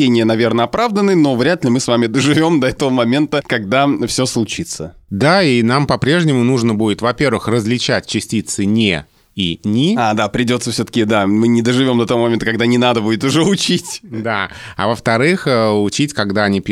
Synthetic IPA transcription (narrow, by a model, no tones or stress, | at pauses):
enʲɪjənɐvʲe̞rnəɐpɾavd̪ənɨno̞vɾʲat̪lʲɪmɨsvamʲɪd̪əʐɨvʲo̞md̪ɐɛt̪əvəmɐmʲe̞nt̪əkɐɡd̪afsʲoslˠʊt͡ɕit̪səd̪ainampɐpɾʲe̞ʐnʲɪmʊnuʐnəbudʲɪt̪vɐpʲe̞rvɨxrəzʲlʲɪt͡ɕæt̚ʲt͡ɕɪsʲtʲit̪sɨnʲḛ | inʲɪad̪apɾʲɪdʲo̞t̪səfsʲot̪ə̥kʲɪd̪amɨnʲɪd̪əʐɨvʲo̞md̪ət̪ɐvomɐmʲent̪əkɐɡd̪anʲɪnad̪əbudʲɪt̪ʊʐɛʊt͡ɕitʲd̪aa̰vəft̪ɐɾɨxəʊt͡ɕitʲkɐɡd̪aɐnʲipʲ